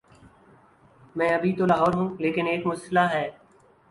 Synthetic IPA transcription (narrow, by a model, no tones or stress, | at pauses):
mɛ̃ːɐbʱit̪olaːɦɔːɾɦũːleːkɪneːkmʊsɪlaɦɛː